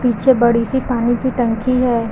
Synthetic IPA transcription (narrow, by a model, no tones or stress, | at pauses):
piːt͡ʃʰebɐɽisipaːnikiʈɐ̃ŋkiɦɛː